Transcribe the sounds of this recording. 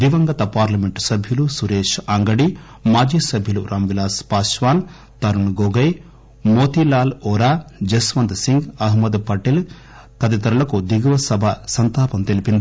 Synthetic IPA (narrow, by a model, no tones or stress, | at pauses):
ʋiʋɐŋɡɐt̪ɐpaːɾlɐmeɳʈsɐbʱjulusuɾeːʃaːŋɡɐɽi | maːd͡ʒiːsɐbʱjuluɾʔaːmʋilaːspaːʂʋaːn | t̪ɐɾuɳɡoːɡɐj | moːt̪ilaːlɔːɾaːd͡ʒesʋɐnd̪siŋɡɐɦmɐd̪pɐʈel | kɐd̪it̪ɐɾulɐkud̪iɡʋɐsɐbʱɐsɐnt̪aːpɐmt̪elipind̪i